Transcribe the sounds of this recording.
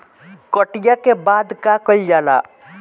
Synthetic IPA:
kəʈijakebaːd̪kakəlid͡ʒaːla̰

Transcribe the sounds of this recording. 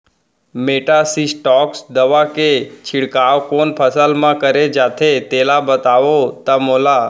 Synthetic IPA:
meʈasisʈɔksd̪əʋaket͡ʃʰɪɽkaʋkonpʰəsəlmãkəɾed͡ʒat̪ʰet̪elabət̪aʋot̪əmola

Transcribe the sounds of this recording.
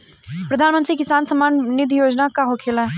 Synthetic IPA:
pɾɐd̪ʱaːnmə̃nt̪ɾikɪsaːnsɐmaːnnɪd̪ʱijoːd͡ʒnakaɦokʰeːla

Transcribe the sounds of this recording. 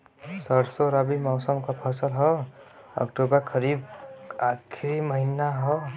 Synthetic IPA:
sʌɾsoɾʌbimawsəmkapʰʌsəlɦʌ | ʌ̰kʈobʌɾkʰʌɾibakʰiɾimʌɦinaɦɔ

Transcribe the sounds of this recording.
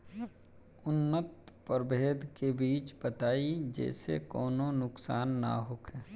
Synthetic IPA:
ʊnːət̪̚pəɾbeːd̪ʱkebiːt͡ʃbət̪aːid͡ʒɛ̰ːsḛkɔːnõnʊksaːnːa̰ɦʊkʰɛː

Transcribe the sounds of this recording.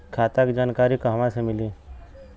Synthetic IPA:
kʰaːt̪akd͡ʒaːnkaːɾikoɦɐʋãsemɪliː

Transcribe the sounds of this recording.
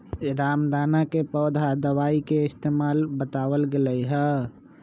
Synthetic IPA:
ɾaːmd̪aːnakepɔːd̪ʱad̪əwaːikeɪst̪eːmaːlbət̪aːʋəlɡeləiɦɛ

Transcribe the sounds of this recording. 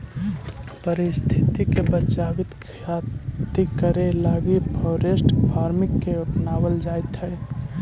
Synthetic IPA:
pəɾist̪ʰit̪ikebət͡ʃabit̪kʰat̪ikəɾelaɡipʰɔɾesʈpʰaːɾmikːeʊʈnabəld͡ʒajt̪ɦɛj

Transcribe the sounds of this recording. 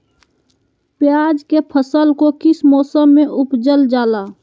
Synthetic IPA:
pjaːd͡ʒkepʰəsəlkokɪsmɔːsəmːẽʔʊpd͡ʒəld͡ʒaːlaː

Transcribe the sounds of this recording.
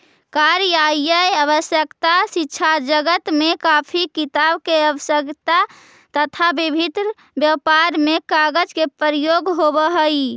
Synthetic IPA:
kaɾjaijəjəbəsjəkt̪asitːʃʰad͡ʒəɡət̪mekapʰikit̪abkeəbəsjəkt̪a | t̪ət̪ʰabibʱit̪ɾ | bjəpaɾmekaɡəd͡ʒkepəɾijoɡɦobəɦəj

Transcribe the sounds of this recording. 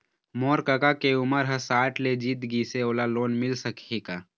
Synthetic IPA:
moːɾkɐkakeʊməɾɦɐsaːʈʰled͡ʒiːt̪ɡiːseoːlaloːnmɪlsɐkʰekaː

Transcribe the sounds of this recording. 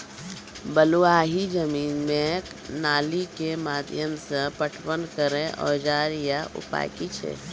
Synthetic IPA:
bəluaːɦid͡ʒəmiːnmek | naːlikemaːd̪ʱjəmsəpəʈʰpənkəɾẽʔɔ̰ːd͡ʒaːɾjaʔʊ̰pa̰ːjkit͡ʃʰḛ

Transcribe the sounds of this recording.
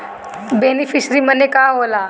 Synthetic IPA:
beːnifʰisɾimənekaːɦoːlaː

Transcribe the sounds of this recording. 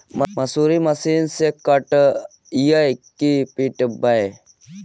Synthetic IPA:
mmɐsuɾimɐsiːnsekɐʈ | ijəjkipiʈbɐe

